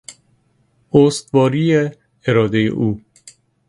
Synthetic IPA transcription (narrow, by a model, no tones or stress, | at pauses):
ost̪vɒːɾiːje | eɾɒːd̪ejḛʔuː